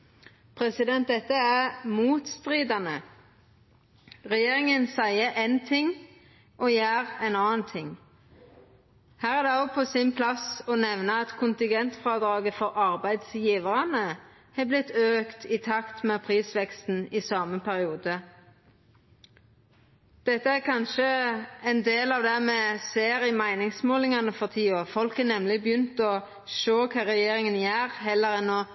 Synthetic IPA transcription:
pʰɾɛsɪd̪ɛnt̪̚d̪ɛt̪ːəæʁmuːt̪st̪ʁiːd̪ɑnə | ʁɛjeːʁɪŋənsæɪəʔɛnt̪ʰɪŋ | ʔoːjæːʁɛɪnɑːnt̪ʰɪŋː | hæːʁæd̪ɛɔpʰɔsɪnpʰlɑsɔnɛʋnəɑt̪kʰʊnt̪ɪŋɡɛnt̪fʁɑːd̪ʁɑːɡəfɔʁʔɑʁbæɪd̪sjiːʋəʁɑnə | hɛblɪt̪ːøːkt̪ʰɪt̪ʰɑkt̪mɛːpʰʁiːsʋɛkst̪n̩ɪsɑːməpʰæʁɪuːd̪ə | d̪̥ɛt̪ːəækʰɑnʃəɛnd̪eːlɑːʋd̪æmɛseːɾɪmæɪnɪŋsmoːlɪŋɑnəfɔʁt̪ʰiːoːfɔlkənɛmlɪbjʏnt̪ɔ | ʃøːkʰɑːʁɛjeːɾɪŋənjæːʁɦɛlːəɾɛnɔ

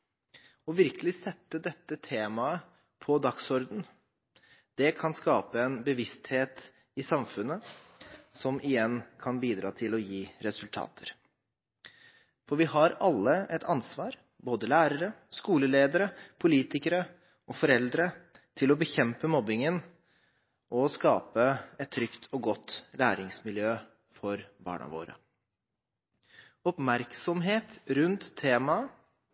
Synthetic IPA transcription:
ɔʋɪɾkəlɪsɛt̪ːəd̪ɛt̪ːət̪ʰeːmɑə | pʰɔd̪ɑksɔɾd̪n̩ | d̪̥ɛkʰɑnskɑːpəɛnbəʋɪst̪heːt̪ | ɪsɑmfʉnːə | sɔmʔɪjɛnːkʰɑnbiːd̪ɾɑ̰ːt̪ʰɪlɔjiːɾɛsʉlt̪ʰɑ̰ːt̪ʰəɾ | fɔɾʋɪhɑɾɑlːəʔɛt̪ʰɑnsʋɑːɾ | boːd̪əlæːɾəɾəskuːləleːd̪əɾəpʰʊliːt̪ɪkəɾə | ɔfɔɾɛld̪ɾə | t̪ʰɪlɔbəçɛmpəmɔbɪŋən | ʔɔskɑːpəɛt̪ʰːɾʏkt̪ʰɔɡɔt̪ːlæːɾɪŋsmɪljøː | fɔɾbɑ̰ːɳɑ̰ʋo̰ːɾə̰ | ɔpmæɾksɔmɦeːt̪ɾʉnt̪ʰːeːmɑ

